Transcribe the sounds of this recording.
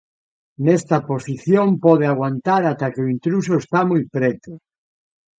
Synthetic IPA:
nest̪ɐposiθjompɔð̞eaɣ̞want̪aɾat̪akeoint̪ɾusoest̪amujpɾet̪ʊ

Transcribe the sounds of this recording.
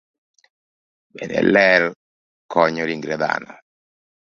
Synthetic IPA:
bɛnɛ̰lɛl | kɔɲɔɾiŋɡɾɛða̰nɔ

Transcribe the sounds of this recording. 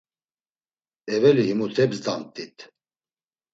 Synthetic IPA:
ɛvɛlihimut̪ʰɛbzd̪ant̪ʼit̪ʰ

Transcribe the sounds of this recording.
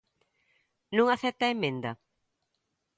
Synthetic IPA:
nũŋaθɛp̚t̪aemẽnd̪ɐ

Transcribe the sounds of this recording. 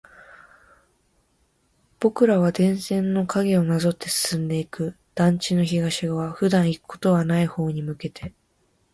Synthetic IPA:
b̥o̞kɯ̟ɾaβad̪ẽ̞ɰ̃sẽ̞nːo̞kaɡe̞o̞nazo̞t̪ːe̞sɨ̥sɨ̃nd̪e̞ikɯ̟ | d̪̥ãɲ̟t͡ɕino̞çiɡaɕiɡaβaɸɯ̟d̪ãɰ̃ikɯ̟̥kʰo̞t̪o̞βanaiho̞ːɲ̟imɯ̟ke̞t̪e̞

